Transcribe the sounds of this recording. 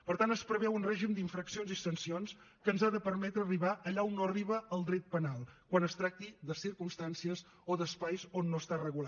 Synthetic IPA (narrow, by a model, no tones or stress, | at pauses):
pəɾt̪anəspɾəβɛwunrɛʒimd̪iɱfɾəksionzisənsions | kəːnzaðəpəɾmɛt̪ɾəːriβaʔəʎaonːoəriβəəlˠd̪ɾɛt̪̚pənalˠkwanəst̪ɾak̚t̪iðəsiɾkumst̪ansiəz | oðəspajzonːoəst̪arəɣula